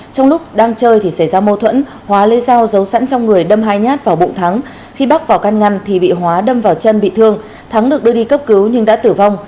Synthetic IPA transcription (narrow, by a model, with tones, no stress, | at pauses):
t͡ɕɔ˧wŋ͡mlʊ˦˥k͡p̚ɗaː˧ŋt͡ɕəː˧jt̪ʰi˨˩sa˧˩jzaː˧mo˧t̪ʰwə̰˧˥n | hwaː˨˦le˧zaː˧wzə˨˦wsa̰˧˥nt͡ɕɔ˧wŋ͡mŋɨ˨˩əjɗə˧mɦaː˧jɲaː˦˥t̚vaː˨˩wɓʊ̰˧˨ŋ͡mt̪ʰa˨˦ŋ | xi˧ɓa˦˥k̚vaː˨˩wka˧nŋa˧jnt̪ʰi˨˩ɓḭ˧˨ɦwaː˨˦ɗə˧mvaː˨˩wt͡ɕə˧nɓḭ˧˨t̪ʰɨ˧əŋ | t̪ʰa˨˦ŋɗɨ˨˩ək̚ɗɨ˧əɗi˧kə˦˥p̚kɨ˨˦wɲɨ˧ŋɗa̰ː˧˥t̪ɨ˧˩vɔ˧wŋ͡m